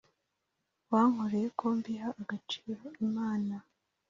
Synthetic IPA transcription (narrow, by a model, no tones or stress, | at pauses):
waːŋ̥hoɾejekʰoːmbihaʔːɡat͡ʃi̥ːɾo̞imaːna